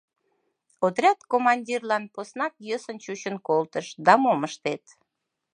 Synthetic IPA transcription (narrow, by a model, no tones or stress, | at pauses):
ot̪rʲɑt̪komɑnʲdʲirlɑnposnɑkjəsənt͡ɕut͡ɕənkolt̪əʃd̪ɑmoməʃt̪et̪